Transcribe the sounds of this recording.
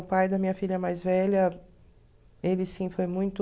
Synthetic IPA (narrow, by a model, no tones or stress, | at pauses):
pajd̪ɐmĩɲɐfiʎɐɛmajzvɛʎɐ | elɪsĩfojmũj̃t̪ʊ